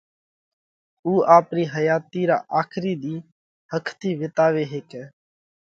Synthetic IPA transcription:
uːʔaːpniːɦəjaːt̪iːɾa̰ːʔaːkʰɾiːd̪iː | həkʰt̪iːʋɪt̪aːʋeːɦeːkɛː

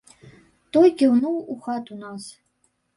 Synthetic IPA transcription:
t̪ɔjʲkʲiwnuwuxat̪unas

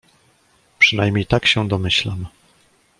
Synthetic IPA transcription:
pʂɘn̪ajmʲɲejt̪akɕɛd̪ɔmɘɕlam

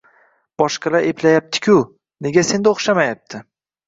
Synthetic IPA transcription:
b̥ɒʃqɑlaɾe̞pʰlajap̚t̪ʰɪ̥kʲʰʊ | ne̞ɡʲase̞nd̪oχʃamajap̚t̪ʰɪ

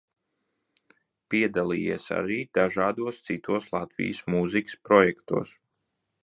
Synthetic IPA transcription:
piɛd̪alˠijiɛsa̰ɾiːd̪̥aʒaːd̪uɔst̪sit̪uɔslˠat̪vḭjsmuzikə̥spɾɔjɛkt̪ṵɔs

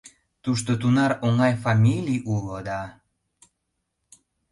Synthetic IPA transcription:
t̪uʃt̪ot̪unɑɾoŋɑjfɑmʲilʲijulod̪ɑ

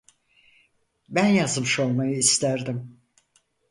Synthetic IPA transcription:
bænjazmɯʃo̞lˠmajɯist̪æɾd̪im

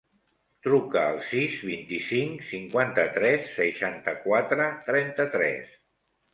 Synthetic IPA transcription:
t̪ɾukəːlˠsizβint̪isiŋksiŋkwant̪ət̪ɾɛsːəʃant̪əkwat̪ɾət̪ɾɛnt̪ət̪ɾɛ̰s

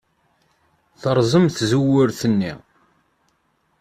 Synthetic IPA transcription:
θəɾˤzˤəmθzuwʊɾθənːḭ

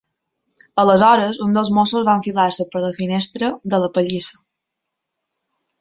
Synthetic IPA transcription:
ələzɔɾəzund̪əlˠzmosuzβaɱfilaɾsəpəɾləfinest̪ɾəd̪ələpəʎisə̥

